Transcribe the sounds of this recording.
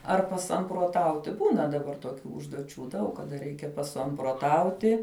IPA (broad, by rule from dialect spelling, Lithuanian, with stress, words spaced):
ɐr pɐsɐmproːˈtɐʊtʲɪ ˈbuːnɐ dɐˈbɐr toːˈkʲuː ʊʒduɔˈt͡ʃʲuː ˈdɐʊk kɐˈdɐ ˈrʲɛɪkʲɛ pɐsɐmproːˈtɐʊtʲɪ